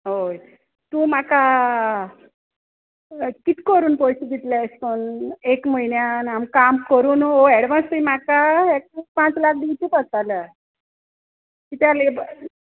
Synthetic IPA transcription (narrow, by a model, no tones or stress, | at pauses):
ɦoj | t̪ũmaka | kit̪kəɾuːnpojsiɡ̪it̪laskonekməinjanamkamkəɾuːnoɛɽʋãnst̪əimakaek̚pãt͡slak̚ɖ̪iwt͡ɕipət̪alə | kit̪aleb